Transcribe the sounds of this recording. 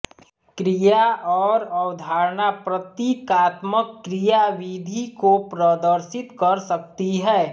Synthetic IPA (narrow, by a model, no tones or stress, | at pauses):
kɾijaʔɔːɾɐwd̪ʱaːɾnapɾɐt̪iːkaːt̪məkːɾijaʋiːd̪ʱikopɾəːd̪əɾʃɪt̪kɐɾsɐk̚t̪iɦɛː